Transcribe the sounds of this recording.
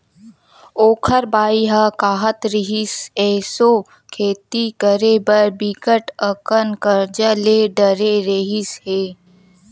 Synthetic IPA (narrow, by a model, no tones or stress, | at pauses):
oːkʰəɾbaːiɦakaːɦət̪ɾɪɦɪsɛːso | kʰeːt̪ikəɾebəɾbikəʈəkənkəɾd͡ʒəleːɖəɾeɾəɦɪsheː